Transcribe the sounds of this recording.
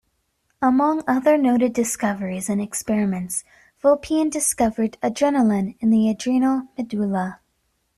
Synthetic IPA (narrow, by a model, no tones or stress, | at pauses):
əmʌ̃ŋʌðə˞noʊɾɨdɨskʌvə˞izɨ̃nɨkspɛɹɨmɨ̃nts | vɪlˠpʰiɨ̃ndɨskʌvə˞ɾɨd͡ʒɛnl̩ˠə̃nɨ̃nðiɨdɹinl̩ˠmɨdulˠə